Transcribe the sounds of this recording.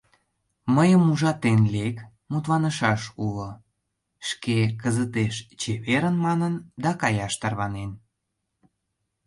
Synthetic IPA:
məjəmuʒɑt̪enlek | mut̪βɑnəʃɑʃulo | ʃkekəzət̪eʃt͡ɕeβeɾənmɑnənd̪ɑkɑjɑʃt̪ɑrβɑnen

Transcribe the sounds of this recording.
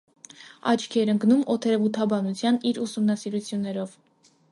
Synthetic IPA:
ɑt͡ʃʰkʰɛɾəŋɡnumɔt̪ʰɛɾɛvut̪ʰɑbɑnut͡sʰjɑniɾusumnɑsiɾut͡sʰjunːɛɾɔv

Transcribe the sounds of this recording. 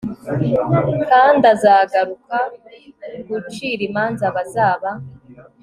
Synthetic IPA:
kaːndazaːɡaɾuka | ɡut͡ʃiɾimaːnzaβazaːβa

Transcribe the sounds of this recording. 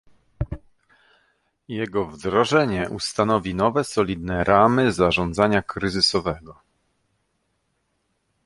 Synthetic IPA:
jɛɡɔvd̪ɾɔʐɛɲɛʔust̪anɔvʲinɔvɛsɔlʲid̪nɛɾʔamɘzaʐɔnd̪zaɲakɾɘzɘsɔvɛɡɔ

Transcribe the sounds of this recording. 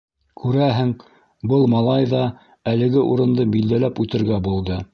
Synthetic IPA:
kʰʉɾæɦɘŋ | bɤlˠmɑlˠɑjðɑ | ælɘ̆ɡɘʔuɾɤ̆nd̪ɤbild̪ælæpʉt̪ɘ̆ɾɡæbulˠd̪ɤ

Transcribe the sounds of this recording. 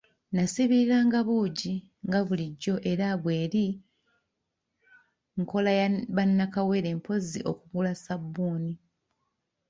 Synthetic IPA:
nasiβiɾaːŋɡaβuːɟi | ŋɡaβuliɟːo̞ʔe̞ɾaβwe̞ːɾi | ŋko̞lajβanːakawe̞ɾe̞ːmpʰo̞ziʔo̞̰kuɣulasabːuːni

